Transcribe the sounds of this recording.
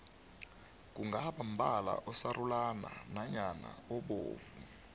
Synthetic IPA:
k̬uŋɡʱaɓam̩bʱala̰ʔɔsarulananaɲana̰ɔɓo̰ːvu

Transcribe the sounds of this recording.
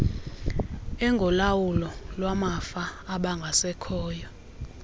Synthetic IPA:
ɛŋɡʱɔlawulɔlwamafaːɓaŋɡʱasɛkʰɔːjɔ

